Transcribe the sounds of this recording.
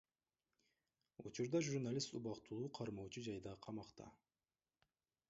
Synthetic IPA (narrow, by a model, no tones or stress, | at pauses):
ut͡ʃuɾd̪ɑʒuɾnalʲist̪ubɑqt̪ulˠuːqʰɑɾmoːt͡ʃud͡ʒɑjd̪ɑqʰɑmɑqt̪ɑ̰